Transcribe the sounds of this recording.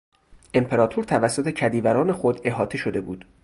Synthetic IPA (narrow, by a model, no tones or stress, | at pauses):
ʔe̞mpʰe̞ɾɒːt̪ʰuɾt̪ʰævæsːo̞t̪ʰe̞cʰæd̪iːvæɾɒːnexod̪e̞ɦɒːt̪ʰeʃo̞d̪e̞bṵːd̪̥